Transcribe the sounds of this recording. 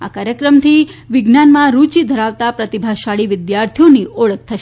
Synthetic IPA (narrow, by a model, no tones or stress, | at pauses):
akaɾjəkɾəmt̪ʰiʋɪɡnanmãɾut͡ʃid̪ʱəɾaʋt̪apɾət̪ibʱaʃaɭiʋɪd̪jaɾt̪ʰijonioɭək̚t̪ʰəʃe